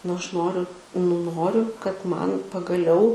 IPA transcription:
nʊ ˈɐʃ ˈnoːrʲʊ nʊ ˈnoːrʲʊ kɐt ˈmɐn pɐɡɐˈlʲɛʊ

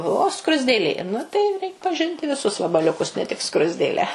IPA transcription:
oː oː skrʊzʲdʲeːˈlʲeː ˈnʊ tɐɪ rʲɛɪk pɐˈʒʲɪnʲtʲɪ ʋʲɪˈsʊs ʋɐbɐlʲʊˈkʊs nʲɛ tʲɪk ˈskrʊzʲdʲeːlʲæː

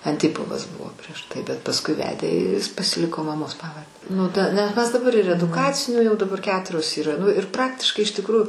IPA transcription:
ɐnʲˈtʲɪpoːʋɐs ˈbʊʋoː pʲrʲiɛʃ tɐɪ bʲɛt pɐsˈkʊɪ ˈʋʲæːdʲeː ɪr jɪs pɐsʲɪˈlʲɪkoː mɐˈmoːs ˈpɑːʋɐrʲdʲɛ nʊ ˈtɐ nʲɛs ˈmʲɛs dɐˈbɐr ɪr ɛdʊˈkɑːt͡sʲɪnʲuː jɛʊ dɐˈbɐr ˈkʲæːtʊrʲoːs iːˈrɐ ˈnʊ ɪr ˈprɑːktʲɪʃkɐɪ ɪʃ tʲɪkˈruːjʊ

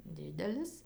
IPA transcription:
ˈdʲɪdʲɛlʲɪs

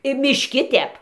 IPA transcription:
ɪ mʲɪʃʲˈkʲɪ ˈtʲɛp

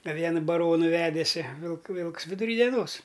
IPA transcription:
ɐ ˈʋʲiɛnɐ bɐˈroːnʊ ˈʋʲæːdʲeːsʲɪ ʋʲɪlˠk ˈʋʲɪlˠks ʋʲɪdʊˈrʲiː dʲɛˈnoːs

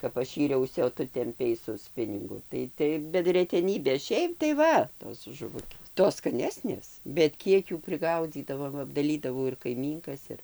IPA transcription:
kɐp ˈɐʃ ˈiːrʲɛʊsʲɪ oː ˈtʊ tʲɛmʲˈpʲɛɪ sʊ ˈsʲpʲɪnʲɪŋɡʊ tɐɪ ˈtɐɪ bʲɛt rʲɛtʲɛˈnʲiːbʲeː ˈʃʲɛɪp tɐɪ ˈʋɐ toːs ʒʊˈʋʊkʲeːs ˈtoːs skɐˈnʲæːsʲnʲeːs bʲɛt ˈkʲiɛk ˈjuː pʲrʲɪˈɡɐʊd͡zʲiːdɐʋoː ˈʋɐ ɐbdɐˈlʲiːdɐʋɐʊ ɪr kɐɪˈmʲiːŋkɐs ˈɪr

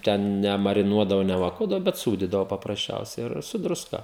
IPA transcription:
ˈtʲɛn nʲɛmɐrʲɪˈnuɔdɐʋoː nʲɛʋɐˈkuɔdɐʋoː bʲɛt ˈsuːdʲiːdɐʋoː pɐprɐsʲˈt͡ʃʲɛʊsʲɛɪ ˈɪr sʊ drʊˈskɐ

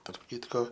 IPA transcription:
tɐrp ˈkʲɪtkoː

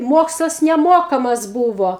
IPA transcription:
ˈmoːkslˠɐs nʲɛˈmoːkɐmɐs ˈbuːʋoː

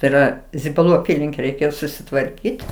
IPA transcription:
tɐɪ iːˈrɐ zʲɪbɐˈlˠuː ɐˈpʲiːlʲɪŋʲkʲɛ rʲɛɪˈkʲeːjoː sʊsʲɪtʋɐrʲˈkʲiːtʲ

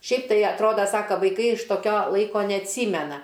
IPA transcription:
ˈʃʲɛɪp tɐɪ ɐtˈroːdɐ ˈsɑːkɐ ʋɐɪˈkɐɪ ɪʃ toːˈkʲoː ˈlˠɐɪkoː nʲɛɐtʲˈsʲiːmʲɛnɐ

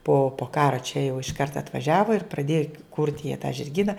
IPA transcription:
poː poː ˈkɑːrɐ t͡ʃʲɛ jɛʊ ɪʃˈkɐrt ɐtʋɐˈʒʲæːʋɐ ɪr prɐˈdʲeːjɛ kʊrʲtʲ jiɛ tɑː ʒʲɪrʲˈɡʲiːnɐ

